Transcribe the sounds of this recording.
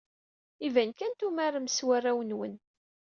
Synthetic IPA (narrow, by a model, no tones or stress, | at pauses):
ivænkænt̪umaɾəmswærːæwənwə̰n